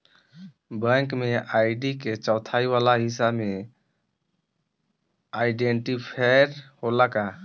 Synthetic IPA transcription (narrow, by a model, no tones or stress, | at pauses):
bə̃ŋkmeajɖiket͡ʃawt̪ʰajbalaɦisabme | ajɖeɳʈipʰajɾholaka